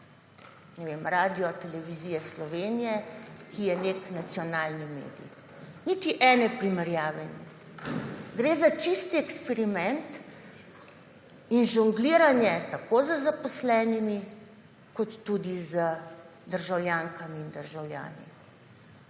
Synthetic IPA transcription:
nɛʋemɾaːd̪ijɔt̪ɛlɛʋiziːjɛslɔʋeːnijɛkijɛneknat̪sijɔnaːlnimḛːd̪ḭj | nit̪iʔɛːnɛpɾimɛɾjaːʋɛnjɛ | ɡɾeːzat͡ʃist̪iɛkspɛɾimɛnt̪ | inʒuŋɡliːɾanjɛt̪akozəzapɔslɛːnimi | kɔt̪ːud̪izə | d̪əɾʒawljaːŋkamiːnd̪əɾʒawlʲja̰ːnḭ

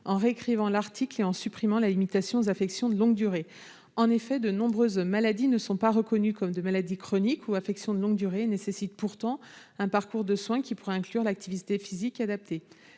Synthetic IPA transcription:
ɑ̃ʁeːkχivɑ̃laʁt̪ʰikleɑ̃sypχimɑ̃lalimit̪asjɔ̃ozafɛksjɔ̃d̪əlɔ̃ɡd̪yʁe | ɑ̃nefɛd̪ənɔ̃bʁøzmalad̪inəsɔ̃paʁəkɔnykɔmd̪əmalad̪ikχɔnikʰuafɛksjɔ̃d̪əlɔ̃ŋɡd̪yʁenesesit̪̚puʁt̪ɑ̃ | ɛ̃paʁkuʁd̪əswɛ̃kʲipuʁɛɛ̃klyʁlak̚t̪ivit̪efizikad̪ap̚t̪e

